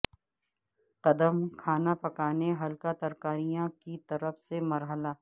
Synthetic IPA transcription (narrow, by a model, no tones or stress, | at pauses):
t̪ɐd̪əmkʰaːnapɐkaːneɦɐlkat̪ɐɾkaːɾijãkit̪ɐɾəfsemɐɾɦəlaː